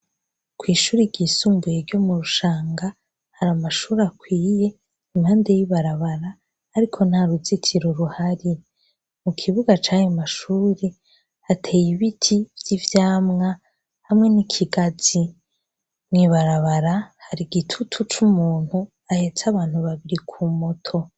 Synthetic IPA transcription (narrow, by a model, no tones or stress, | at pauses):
kwiːʃuːɾiɡisuːmbujeɾɟo̞muɾuʃaːŋɡa | haɾamaʃuːɾakwiːje̞ | imhaːnde̞jiβaɾaβaɾaː | ɾikʰo̞nhaɾuzitʰiɾoɾuhaɾi | mukʰiβuɡat͡ʃaːjomaʃuːɾe | hatʰeːjiβitʰivjivjaːmŋa | hamŋe̞nikʰiɡaz̥i | mŋiβaɾaβaɾahaɾiɡitʰutʰut͡ʃumuːn̥hu | ahe̞t͡saβaːn̥huβaβiɾikʰumo̞tʰo̞